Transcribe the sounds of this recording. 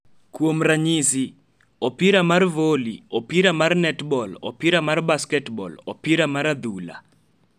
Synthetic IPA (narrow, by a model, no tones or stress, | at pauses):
kwomɾaɲisi | ɔpiɾamarvolḭɔpiɾamarnɛtbɔlɔ̰piɾamarbaskɛtbɔ̰lɔ̰piɾamaɾad̪ula̰